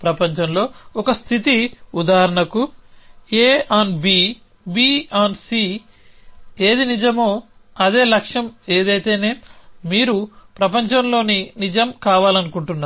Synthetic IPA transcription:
pɾɐpɐɲt͡ʃɐmlo̞ːɔkɐst̪ʰit̪iud̪aːɦɾɐɳɐku | eːaːnbiː | biːaːnsiː | e̞ːd̪inid͡ʒɐmo̞ː | ɐd̪e̞ːlɐkʂɐmeːd̪ɐjt̪e̞ːne̞ːmiːɾupɾɐp̬ɐɲt͡ʃɐmlo̞ːninid͡ʒɐmkaːʋaːlɐnukuɳʈunːaː

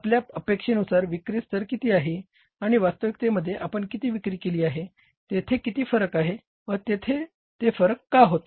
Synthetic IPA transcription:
pljaəpekʂenusaɾʋikɾiːst̪əɾkit̪iːaɦe | aɽ̃iʋast̪əʋik̚t̪eməd̪ʱːjeʔapəɳkit̪iːʋikɾiːkeliːaɦe | t̪et̪ʰekit̪iːfəɾəkaɦe | ʋəɾt̪et̪ʰe | t̪efəɾəkːaɦot̪

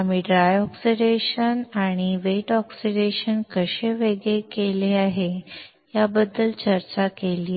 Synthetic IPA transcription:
amiːɖɾajɔksiɖeɕənaɽ̃iʋeʈɔksiɖeɕənkəɕeʋeɡɭekeleaɦe | jabəd̪ːəlt͡ɕəɾt͡ɕakelie

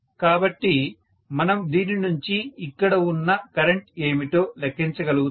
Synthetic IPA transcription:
kaːbɐʈːi | mɐnɐmd̪iːninuɲt͡ʃiːkːɐɽɐunːɐkɐɾeɳʈe̞ːmit̪oːlekʰːiɲt͡ʃɐɡɐluɡu

